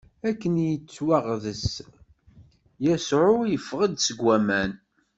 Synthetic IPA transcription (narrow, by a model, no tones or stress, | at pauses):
ækːənjət͡sːwæʁðəs | jæsʕʊjəfːʁəd̪səɡʷːæmæn